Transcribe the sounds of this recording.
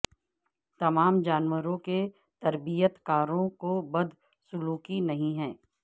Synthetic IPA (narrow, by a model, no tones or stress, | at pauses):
t̪ɐmaːmd͡ʒaːnwəɾõke | t̪ɐɾbijət̪kaːɾõkobɐd̪ʱ | sʊluːkinɐɦĩɦɛ̃ː